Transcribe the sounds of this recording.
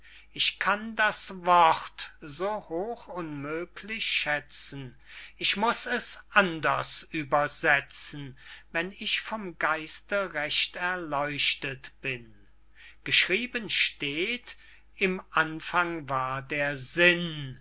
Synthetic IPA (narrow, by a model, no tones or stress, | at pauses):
ʔɪçkʰandasvɔʁtzoːhoːxʊnmøːkʰlɪçʃɛt͡sn̩ | ʔɪçmʊsɛsʔandɐsʔyːbɐzɛt͡sn̩vɛnɪçfɔmɡaɪstəʁɛʃtɛɐlɔʏʃtətb̥ɪn | ɡ̥əʃʁ̥iːbənʃteːt | ɪmʔanfaŋvaːɐdeːɐzɪn